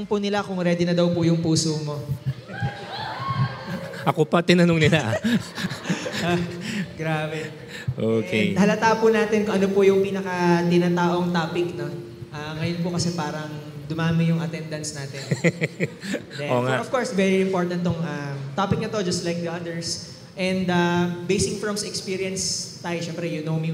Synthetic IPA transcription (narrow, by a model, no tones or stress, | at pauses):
ŋpʊnɪlakʊŋɾɛːd̪ɪnɐd̪ɐwpʊjʊŋpuːsomo̞ | ʔɐkopɐt̪ɪnɐnoŋnɪlaʔ | ɡɾaːbɛ | ʔokḛhɐlɐt̪aːʔpʊnaːt̪ɪnkʊŋʔɐnopʊjʊŋpiːnɐkɐt̪ɪnaːt̪aːʔo̞ŋt̪aːpɪkno̞ | ʔaːŋɐjonpʊkɐsɛpaːɾɐŋd̪ʊmaːmɪjʊŋʔɐt̪ɛnd̪ɐnt̪snaːt̪ɪn | d̪ɛoːŋaɔfkoɹsvɛɹiɪmpoɹt̪ɐnt̪ːoŋʔat̪aːpɪk̚nɐt̪o̞d͡ʒɐst̪lajk̚d̪iʔɐd̪ɛɹs | ʔɛ̃nd̪abejsɪkfɔmsɛkspiːɹiɐnst̪aːjoʃɛmpɾɛjʊnowmi